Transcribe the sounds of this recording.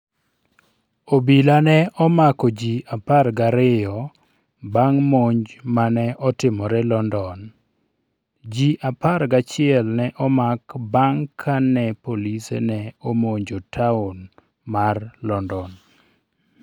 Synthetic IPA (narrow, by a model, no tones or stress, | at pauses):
obilanɛɔmakɔd͡ʒiaparɡaɾɪjɔ | baŋmoɲd͡ʒmanɛʔɔtɪmɔɾɛlɔndɔn | d͡ʒiʔapaɾɡat͡ʃɪɛlnɛʔɔmakbaŋkʰanɛpolisḛnɛomoɲd͡ʒotʰaʊn | marlɔndɔn